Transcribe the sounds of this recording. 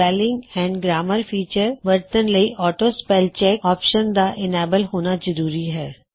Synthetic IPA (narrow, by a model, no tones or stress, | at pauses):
ɛːlɪ̃ŋɡɛ̃ːɳɖɡɾaːməɾfiːt͡ʃəɾʋəɾt̪ənlɐiʔɔːʈospɛːlt͡ʃɛːkɔːpʃənd̪aʔɪneːbəlɦoːnad͡ʒɐɾuːɾiɦɛː